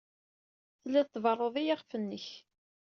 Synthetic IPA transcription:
θlːæθt̪ːvərˤːoðˤijɑʁfənːəç

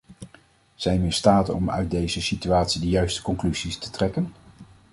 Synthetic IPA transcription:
z̥ɛjnmɪstaːtəɔ̰mœ̰ɥt̚dejzəsityaːtsidəjœɥstə̥kɔŋklyzistə̥trɛkən

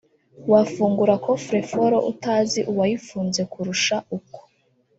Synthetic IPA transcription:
wafuːŋɡuɾako̞fɾefoɾo̞̰ʔutaziʔuwajifuːnze̞kuɾuʃaʔuko̥

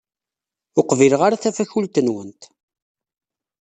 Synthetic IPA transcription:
ʊqvilʁaɾaθæfæçult̪ənwənt̪

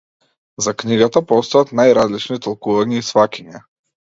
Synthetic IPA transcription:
zakniɡat̪apɔst̪ɔat̪najɾazlit͡ʃnit̪ɔlˠkuvaɲɛisvakʲiɲɛ

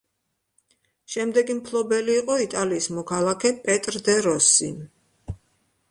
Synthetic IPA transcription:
ʃɛmd̪ɛɡimpʰlˠɔbɛliːqʼɔit̪ʼaliːsmɔkʰalˠakʰɛpʼɛt̪ʼɾd̪ɛɾɔsi

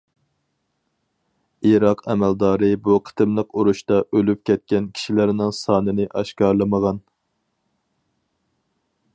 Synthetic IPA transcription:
iɾɑqʰɛmɛld̪ɑːɾɨbuqʰə̥t̪ʰɨmlˠəquɾuʃt̪ɑʔølyp̚kʲʰɛt̪̚kʲɛnkʲʰi̥ʃilɪɾnɪŋsɑːnɨnɪʔɑʃkɑɾlˠɨməʁɑn

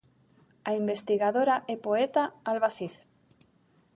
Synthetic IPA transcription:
aimbest̪iɣaðoɾaʔepoet̪aːlβaθiθ

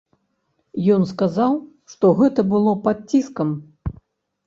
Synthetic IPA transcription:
jɔnskazaw | ʂt̪ɔɣɛt̪ɐbɨlˠɔpat̪̚t͡sʲiskɐm

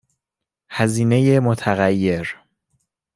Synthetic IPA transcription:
hæziːneje̞mot̪ʰæɣæjːe̞ɾ

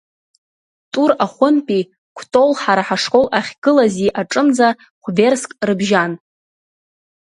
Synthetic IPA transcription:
tʼuɾaχʷʊmpʼi | kʷʰtʼo̞lħaɾaħaʂkʼo̞wʔaχʲɡɨlaziʔaʈ͡ʂʼɨnd͡za | χʷve̞rskʼrɨbʒan

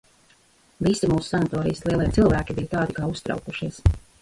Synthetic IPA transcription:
visimuːsu̥sanat̪ɔːɾḭjəslˠiɛlˠiɛt̪silˠvæːkʲibijt̪aːd̪ikaːust̪ɾɑ̰wkuʃiɛs

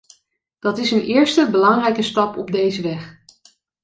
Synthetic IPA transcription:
d̥ɑtɪsənʔɪːɹstəbəlɑŋrɛjkəstɑpɔb̚dejzəʋɛχ

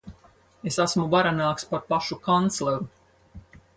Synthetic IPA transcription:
esæsmuvaɾanaːkspaɾpaʃukant̪slˠɛɾu

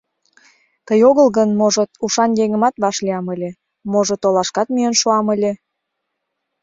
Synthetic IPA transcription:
t̪əjoɣəlɣənmoʒot̪uʃɑnjeŋə̆mɑt̪βɑʃliɑməlʲe | moʒot̪olɑʃkɑt̪myənʃuɑməlʲe

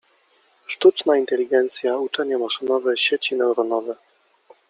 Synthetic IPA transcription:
ʂt̪ut͡ʂnaint̪ɛlʲiɡɛnt̪sʲjaut͡ʂɛɲamaʂɘnɔvɛɕet͡ɕinɛwɾɔnɔvɛ

